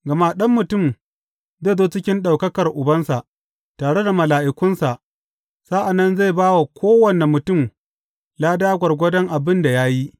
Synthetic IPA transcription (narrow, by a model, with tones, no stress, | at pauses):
ɡɐ˨ma˦ɗɐ˦mːʊ˨tʊ˦˨m | zeː˦˨zoː˦t͡ʃɪ˦kʲɪ˦nɗa˨wkɐ˦kɐ˨rʔʊ˨bɐ˦nsa˨ʔ | taː˨ɽe˦da˨mɐ˨laː˨ʔɪ˨kʷʊ˦nsa˨ʔ | sa˦ʔa˨nːɐ˦nza˦˨baː˦wa˨kʷoː˦wɐ˨ne˨mʊ˨tʊ˦˨m | jaː˦daː˦ɡʷɐ˨rɡʷɐ˦dɐ˦ŋʔa˨bɪ˦nda˨jaː˦ji˦